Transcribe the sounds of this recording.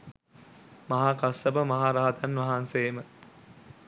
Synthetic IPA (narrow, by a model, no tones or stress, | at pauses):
mɐɦaːkasɐbəmɐɦaːɾaɦat̪anʋɐɦanseːmə